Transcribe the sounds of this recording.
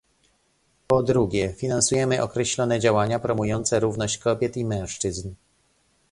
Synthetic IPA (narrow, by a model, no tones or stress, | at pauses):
pɔd̪ɾuɡʲɛfʲinansujɛmɘʔɔkɾɛɕlɔnɛd͡ʑawaɲapɾɔmujɔnt̪sɛɾuvnɔɕt͡ɕkɔbʲjɛt̪imɛ̃w̃ʂt͡ʂɘzn